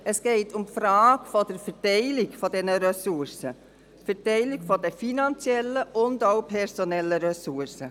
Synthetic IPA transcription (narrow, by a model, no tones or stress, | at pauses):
əsɡ̥eɪtʰʊmfɾaːɡfɔdəɾfɛɾtɛɪlɪɡfɔdɛnəɾɛsuɾsə | fɛɾtɛɪlɪɡfɔdəfinɑnt͡sjɛlːəʔʊndoʊpʰɛɾsonɛlːəɾœsuɾsə